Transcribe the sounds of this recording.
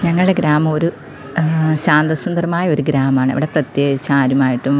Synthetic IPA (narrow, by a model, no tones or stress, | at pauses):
ɲɐŋːɐɭɽe̞ɡɾaːmɐmo̞ɾu | ɕaːnd̪ɐsund̪ɐrɐmaːjɐoɾuɡɾaːmaːɳɨɐ̰ʋiɽe̞prɐt̪jeːɡit͡ɕːɐaːɾumaːjiʈːum